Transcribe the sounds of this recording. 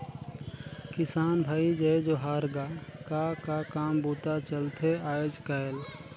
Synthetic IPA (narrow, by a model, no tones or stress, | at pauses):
kɪsaːnbʱaːid͡ʒəd͡ʒoɦaːɾɡakakakaːmbuːt̪at͡ʃəlt̪eaːjoːd͡ʒkael